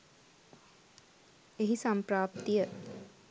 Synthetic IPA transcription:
eɦisampɾaːpt̪ijə

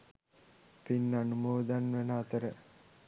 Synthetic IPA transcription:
pinːanumoːd̪anʋenəat̪əɾə

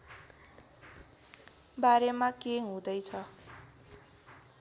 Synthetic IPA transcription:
baɾemakeɦũd̪ʌjt͡sʰʌ

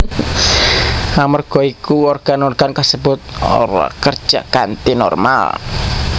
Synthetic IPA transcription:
amərɡ̥ɔikuɔrɡ̥anɔrɡ̥ankasəbʊt̪̚o̰ɾa̰kərd̥ʒ̥a̰ʔkant̪inɔ̰rma̰l

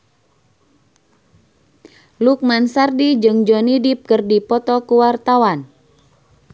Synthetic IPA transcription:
luk̚mansardid͡ʒɨŋd͡ʒɔnidip̚kərdipɔt̪ɔkuwart̪awan

